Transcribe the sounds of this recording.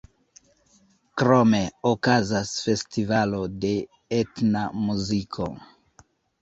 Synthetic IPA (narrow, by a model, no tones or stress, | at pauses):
kɾo̞me̞okazasfe̞stivalo̞de̞ | etnamuzikʰo̞